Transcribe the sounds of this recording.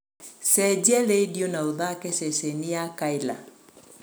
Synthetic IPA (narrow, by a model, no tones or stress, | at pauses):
sɛd͡ʒiɛleidionaoðakesɛseniakaila̰